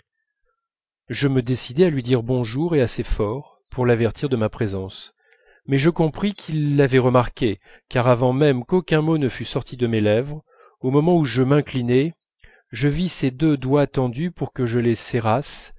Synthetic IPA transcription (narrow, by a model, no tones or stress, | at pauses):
ʒəməd̪esid̪ɛalɥid̪iʁbɔ̃ʒuʁeasefɔʁ | puʁlavɛʁt̪ʰiʁd̪əmapχezɑ̃s | mɛʒəkɔ̃pχikʲʰilːavɛʁəmaʁkʲe | kaʁavɑ̃mɛmkokʲɛ̃monəfysɔʁt̪ʰid̪əmelɛvʁ | omɔmɑ̃uʒəmɛ̃klinɛ | ʒəvised̪ød̪wat̪ɑ̃d̪ypuʁkəʒəleseʁas